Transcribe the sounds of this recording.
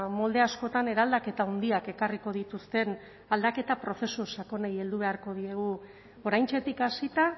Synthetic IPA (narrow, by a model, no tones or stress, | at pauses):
mo̞ld̪e̞asko̞t̪ane̞ɾald̪ake̞t̪aond̪iake̞kariko̞ðit̪ust̪e̞n | ald̪ake̞t̪apɾo̞θe̞susako̞neje̞ld̪uβe̞aɾko̞ð̞ie̞ɣu | o̞ɾajnt͡ʃe̞t̪ikasit̪a